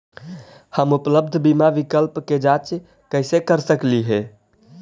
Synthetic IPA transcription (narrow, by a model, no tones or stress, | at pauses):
həmupləbd̪ʱbimaʋikəlpked͡ʒat͡ʃ | kəɪsekəɾsəkliɦɛ